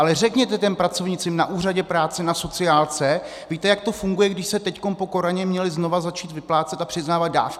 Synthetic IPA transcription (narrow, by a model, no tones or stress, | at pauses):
alɛrɛkɲɛt̪ɛt̪ɛnpɾat͡so̞vɲɪt͡sɪmnaʔuːr̝aɟɛpɾaːt͡sɛnaso̞t͡sɪaːlt͡sɛ | viːt̪ɛjak̚t̪o̞fuŋɡujɛɡdɪʃsɛt̪ɛcko̞npo̞ko̞ɾaɲɛmɲɛlɪzno̞vazat͡ʃiːt̪vɪplaːt͡sɛt̪apr̝̥ɪznaːvad̪̚da̰ːfk